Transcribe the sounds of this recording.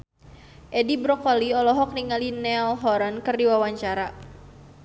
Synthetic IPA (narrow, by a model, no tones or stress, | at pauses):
ʔɛdibɾɔkɔliɔlɔɦɔk̚niŋalinɛlɦɔɾankɨrdiwawaɲt͡ʃaɾa